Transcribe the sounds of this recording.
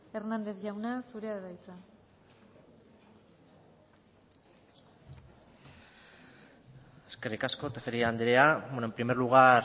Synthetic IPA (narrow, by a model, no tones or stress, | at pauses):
e̞ɾnand̪e̞θʝawnasuɾeaðeβajt͡sa | eske̞rikasko̞t̪efeɾiaːnd̪ɾeawenoempɾimeɾluɣaɾ